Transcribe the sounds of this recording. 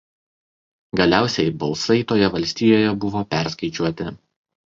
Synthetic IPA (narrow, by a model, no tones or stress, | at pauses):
ɡɐlʲæˑʊsʲɛɪbɐlˠsɐɪt̪oːjɛʋɐlʲsʲt̪ʲiːjoːjɛbʊʋoːpʲæˑɾskɐɪt͡ʃʲuɔt̪ʲɪ